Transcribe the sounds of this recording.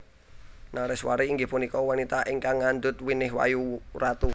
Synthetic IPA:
naɾɪswa̰ɾiːŋɡɪhpunikɔwanit̪aʔiŋkaŋːand̪ʊt̪winɪɦwa̰jurat̪u

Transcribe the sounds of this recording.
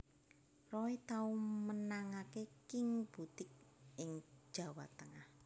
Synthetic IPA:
rɔit̪aumənaŋakekɪŋb̥ut̪ɪk̚ʔɪŋ̥ʒ̥a̤wa̰t̪əŋah

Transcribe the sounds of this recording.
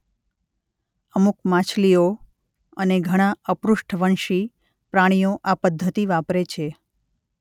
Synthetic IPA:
əmukmãt͡ʃʰlio | əneɡʱəɽ̃ãəpɾuʂʈʰʋəɳʃi | pɾaɽ̃ijoʔapəd̪ʱːət̪iʋapɾet͡ʃʰe

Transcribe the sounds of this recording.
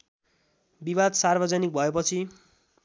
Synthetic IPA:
bibad̪sarbʱʌd͡zʌnik̚bʱʌepʌt͡sʰi

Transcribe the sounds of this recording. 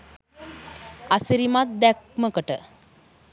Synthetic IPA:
asiɾimat̪̚d̪ɛk̚məkəʈə

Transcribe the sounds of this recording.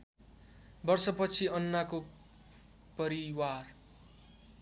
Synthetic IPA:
bʌrsʌpʌt͡sʰiʌnːako | pʌɾiwar

